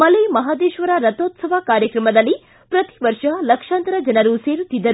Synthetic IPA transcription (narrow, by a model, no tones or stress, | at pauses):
mɐlɐjmɐɦaːd̪eːʃʋɐɾɐɾɐt̪oːt̪sɐʋɐkaːɾjɐkɾɐmɐd̪ɐlːi | pɾɐt̪i̥ʋɐɾʂɐlɐkʂaːnt̪ɾɐd͡ʒɐnɐɾuse̞ːɾut̪ːid̪ːɐɾu